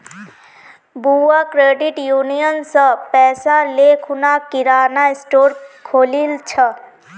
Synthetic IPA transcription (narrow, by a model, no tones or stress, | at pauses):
buwakɾeːɖiʈjuːnijənsə̃pɛːsalekʰunakiɾaːnaɪsʈoːɾkʰoːlilt͡ʃʰə